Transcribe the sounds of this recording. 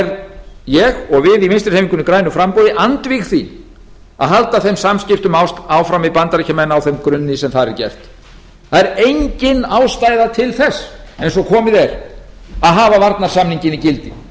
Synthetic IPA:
ɾjɛɣɔɣvɪðimenst̪ɪ̥ɾhejmiŋkʏnːʏkɾaːjnʏfɾampowðɪʔant̪vixθi | a̰ðɦalt̪aθejmsamscɪft̪ʏmawst̪awfɾawmɪpant̪aɾicʰamɛnːaawθɛmkɾʏnːɪsɛmθaðɾɛɾcɛ̰r̥t̪ | θaðɛɾejɲcɪnaːwst̪aːjðat̪ʰɪlθɛsːejns̬ɔkʰɔːmɪðɛɾ | aðɦaːvavaɾt̪naɾ̥samniɲcɪnicɪlt̪ɪ

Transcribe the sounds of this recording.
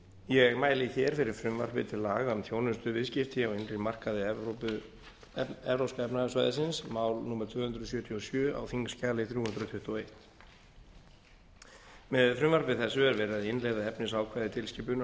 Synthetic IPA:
jɛɣmaːjlɪçɛːɾ̥fɪɾɪɾ̥fɾʏmva̰ɾ̥pɪ̰t̪ʰɪlːaːɣamθjoːwnʏst̪ʏvɪðscɪft̪ɪawɪnrɪmar̥kaðɪɛopʏ | ɛvɾowskaɛpnasvaːjðɪsɪnsmaːwlnumɛɾ̥t̪ʰv̥ʏːhʏnd̪ɾʏsjœːt̪ʰjiɔsjœːa̰wθiŋkscaːlɪθɾjuːhʏnd̪ɾʏt̪ʰʏht̪ɔejht̪ | mɛðfɾʏmvaɾpɪθɛsːʏɛɾvɛːɾaðɪɪnlɛjðaɛpnɪsaːwkʰvajðɪt̪ʰɪlscɪp̬ʏna

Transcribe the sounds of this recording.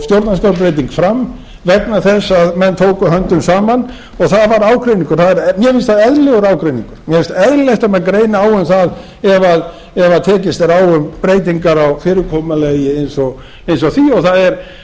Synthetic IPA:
st̪jowɾt̪nask̪awp̬ɾejt̪iŋkfɾamː | vɛknaθɛsːaðmɛnːt̪ʰowkʏɦœnt̪ʏmsaːman | ɔɣθaðvaɾaːwkɾejniŋkʏɾ̥θaðɛɾmjɛmfɪnst̪θaðɛðlɛɣʏɾaːwkɾejnḭŋkʏɾ̥mjɛmɪnst̪ɛðlleht̪amɛnkɾeːjnɪaːwʏmθað | ɛvað | ɛvaðt̪ʰɛːcɪst̪ɛɾaːwʏmpɾeːjt̪̬iŋkaɾawfɪːɾɪkʰɔːmalejɪejnsɔɣ | ejns̬ɔɣθiɔɣθaðɛɾ̥

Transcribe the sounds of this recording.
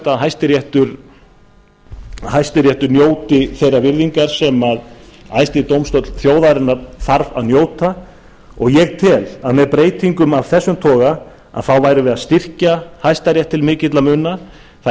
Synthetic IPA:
t̪aðɦajst̪ɪɾjɛht̪ʏɾ̥ | hajst̪ɪɾjɛht̪ʏɾnjoːwt̪ɪθejravɪɾðiŋkaɾ̥sɛmaðajst̪ɪt̪owmst̪ɔt̪lθjoːwðaɾɪnːaɾθaɾva̰ðnjoːwt̪a | ɔɣjɛɣt̪ʰɪlaðmɛðpɾeːjt̪iŋkʏmav̥θɛsːʏmt̪ʰɔːɣa | a̰ðθawvaːjɾʏvɪðast̪ir̥cahajst̪aɾjɛht̪ʰːɪlmɪːcɪt̪lamʏnːa | θa

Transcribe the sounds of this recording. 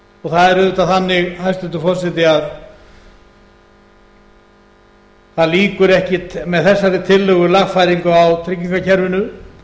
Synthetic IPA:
ɔɣθaðɛɾʏt̪aθanːɪɣhajst̪ʏnt̪ʏfɔrsɛt̪ɪað | θaðliːkʏɾɛhcɪmɛðθɛsːaɾɪt̪ʰɪlːœɣʏlaɣfajɾiŋkʏawt̪ʰɾɪcːiŋkacʰɛɾvɪnʏ

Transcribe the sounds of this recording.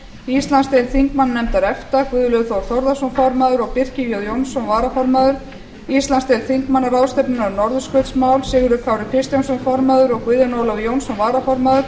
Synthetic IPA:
ist̪lanst̪ejlθiŋkmanːɛmt̪aɾɛft̪akvʏːðlʏɣθowɾ̥θɔwɾðasɔnfɔɾmaðʏɾɔɣpɪr̥cɪvjɔðjownsɔnvaːɾafɔɾmaðʏɾ̥ | ist̪lanst̪ejlθiŋkmanːaɾawst̪ɛpnɪnaɾnɔɾðʏskœt̪smawlsɪːɣʏɾʏkʰawɾɪpʰɪst̪jawnsɔnfɔɾmaðʏɾɔɣkvʏðanowlawjownsɔnvaːɾafɔɾmaːðʏɾ̥

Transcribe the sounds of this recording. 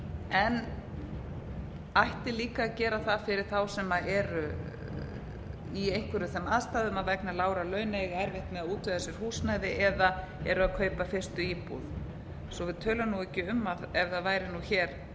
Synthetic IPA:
ɛn | ajht̪ɪliːkaːcɛːɾaθaðfɪɾɪɾ̥θawsɛmaɛɾʏ | iejŋ̥kʰvɛɾʏθɛmaðst̪aːðʏmaðvɛknalaːwɾalœːɥneɣɛɾvɪht̪mɛðaðuːt̪vœðasjɛɾ̥huːsnajðɪʔɛða | ɛɾʏaðkʰœːɥpafɪr̥st̪ʏiːpṵð | sɔvɪðt̪ʰœːlʏmnuɛcːɪʏmːaðɛvðaðvaːjɾɪnuçɛːɾ̥

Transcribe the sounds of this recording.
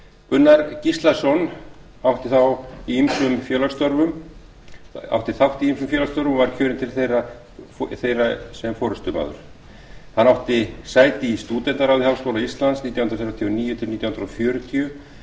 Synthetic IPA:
pʏnːaɾcist̪lasɔn | awht̪ɪθawiimsʏmfjœːlaɾst̪ɔɾvʏm | a̰wht̪ɪθawht̪iimsʏmfjœːlaɾst̪ɔɾvʏmvaɾ̥cʰœːɾɪnt̪ʰɪlθejra | θejrasɛmfɔːɾʏst̪ʏma̰ːðʏ̰ɾ̥ | hanːawht̪ɪsaːjt̪ɪist̪uːt̪ɛnt̪aɾawðihawskowlaist̪lant̪sniːt̪jawhʏnɾaθɛɾvat̪ʰjiɔniːjʏt̪ʰɪlniːjahʏnɾɔfjœːɾʏt̪ʰiʏ

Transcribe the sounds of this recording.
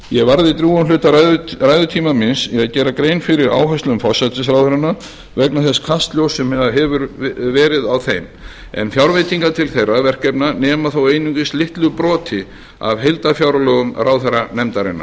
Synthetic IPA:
jɛɣvaɾðɪt̪ɾjuːanlʏːt̪aðraːjðʏt̪ʰiːmamɪnsɛaðcɛːɾakɾejnfɪɾɪɾa̰ːwɦœst̪lʏmfɔ̥sat̪ɪs̬ɾawðœɾɪnːa | vɛknaθɛskʰast̪ljowsɛmɛaɦɛvʏɾvɛːɾɪðawθejm | ɛ̰nfjawɾvɪt̪iŋkat̪ʰɪlθejrːavɛr̥cɛpnanɛːmaθowejniŋcɪst̪lɪht̪lʏpɾɔːt̪ʰɪ | a̰vɦejlt̪afjawɾlœɣʏmrawθɛɾanɛmt̪aɾɪ̰nːa̰

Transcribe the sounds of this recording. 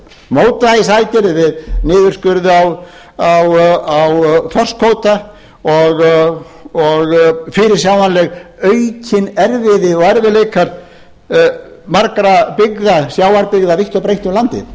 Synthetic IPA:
moːwt̪ajɪsajt̪ɪɾvɪðnɪːðʏɾ̥skʏɾðʏaw | awawθɔr̥skʰoːwt̪a | ɔɣ | ɔɣfɪɾɪɾ̥sjawmanlɛɣœɥcʰɪnɛɾvɪðɪɔɣɛɾvɪlejkʰaɾ | maɾkɾapɪɣðasjaːwaɾpɪɣðavɪht̪ɔpɾejht̪ʏmlant̪ɪ̰

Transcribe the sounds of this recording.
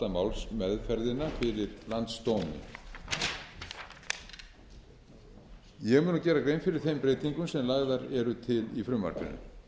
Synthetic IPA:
amawlsmɛðfɛɾðɪnːafɪɾɪɾlant̪st̪owmɪ̰ | jɛɣmʏːnʏcɛːɾakɾeːjnfɪɾɪɾ̥θejmpɾeːjt̪iŋkʏmsɛmlaɣðaɾɛɾʏt̪ʰɪlifɾʏmːa̰ɾ̥kʏ̰nʏ̰

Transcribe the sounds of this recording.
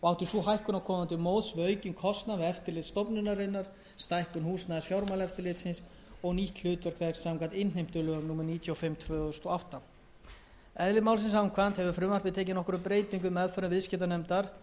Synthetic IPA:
ɔɣawt̪ʏɾsuɦajhkʏnakʰɔːmant̪ɪmoːwðsvœːɥcɪnkʰɔst̪navɪɛft̪ɪɾlɪt̪st̪ɔpnʏnaɾɪnːaɾ̥ | st̪ajhkʏnhuːsnaːɪsfjawɾmawlɛft̪ɪɾlɪːt̪sɪns | ɔɣniht̪lʏːt̪vɛɾ̥kvɛ̥ksaŋkat̪ɪnejm̥t̪ʏlʏɣamnuːmɛɾniːt̪ʰjɔɔfɪmt̪ʰvœːɣʏst̪ɔawht̪a | ɛðlɪmaːwlsɪnsawŋkʰvant̪hɛvʏfɾʏmvart̪vɪðt̪ʰeːc̬ɪnɔhkʏɾʏpɾeːjt̪iŋkʏmɛðfœɾʏnvɪðscɛt̪anɛmt̪aɾ̥

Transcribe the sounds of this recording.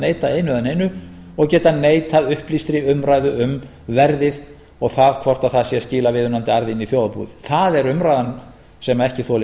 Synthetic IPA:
neːjt̪aejnʏðanejnʏ | ɔɣcɛːt̪aneːjt̪aðʏhplist̪ɾɪʏmɾaːjðʏʏm | vɛɾðɪð | ɔɣθaðkʰvɔr̥t̪aθaðsjɛsciːlavɪðʏnant̪ɪaɾðiniθjoːwðpṵðɪθaðɛɾʏmɾajðan | sɛmaɛhcɪθɔl

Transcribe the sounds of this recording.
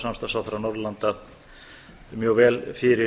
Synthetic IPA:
samst̪asawθɾanɔɾlant̪a | mjœːɣvɛːlfɪɾɪ

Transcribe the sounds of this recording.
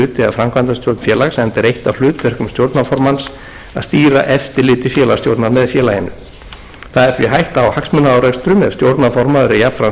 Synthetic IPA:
ʏːt̪ɪɛafɾamkʰvant̪ast̪jowɾt̪nfjɛːlaɣsɛmnt̪ɛɾejht̪awlʏːt̪vɛr̥kʏmst̪jowɾt̪nafɔɾmans | a̰st̪iːɾa̰ʔɛft̪ɪɾlɪːt̪ɪfjɛːlast̪jowɾt̪naɾmɛðfjɛːlajɪnːʏ̰ | θaðɛɾ̥θviɦajht̪aːwhaksmʏnaaːwɾakst̪ɾʏmɛvst̪jowɾt̪nafɔɾmaðʏɾɪjapfɾa

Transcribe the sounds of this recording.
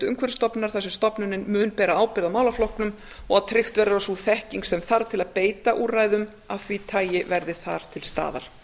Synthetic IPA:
t̪ʏ̰ŋkʰvɛɾst̪ɔpnaɾ̥θɛsʏst̪ɔpnʏnɪnmʏːnpɛːɾaaːwpɪɾðawmaːwlaflɔhknʏm | ɔɣaðt̪ʰɾɪxt̪vɛɾaɾasuθɛhciŋksɛmθaɾ̥t̪ʰɪlaðpeːjt̪aʔuraːjðʏm | awθvit̪ʰaːjɪvɛɾðɪθa̰ɾ̥t̪ʰɪlst̪a̰ːðaɾ̥

